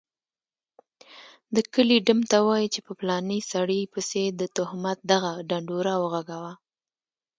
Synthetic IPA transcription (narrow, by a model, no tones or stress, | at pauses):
d̪əkəliɖamt̪awɑjit͡ʃepəplɑnisaɽipəsed̪ət̪ʊhmat̪̚d̪aɣaɖaɳɖuɾawəɣaɡawa